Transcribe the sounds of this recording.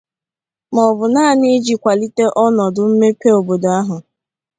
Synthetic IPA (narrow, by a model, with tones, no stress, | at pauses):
mɔ˨bʊ˨naː˦˨ni˦d͡ʒi˨kʷa˨li˦te˦ʔɔ˦nɔ˨dʊ˨m̩˦me˦pe˦o˨bo˨do˨a˦ɦʊ˨